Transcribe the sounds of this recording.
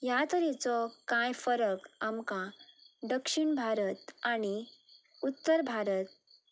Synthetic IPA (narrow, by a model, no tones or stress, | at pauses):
jat̪əɾɛt͡sɔkãjfəɾəkamkãɖəkʂiɳbʱaɾət̪aɽ̃i | ut̪ːəɾbʱaɾət̪̚